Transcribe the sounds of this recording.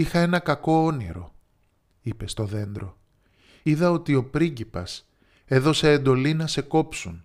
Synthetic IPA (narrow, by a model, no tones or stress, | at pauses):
ixɐe̞nɐkɐko̞onḭɾo̞̰ | ipe̞st̪o̞ðe̞nd̪ɾo̞ | iðɐo̞t̪io̞pɾiɲɟipɐ̰s | e̞ðo̞seend̪o̞linɐse̞ko̞psun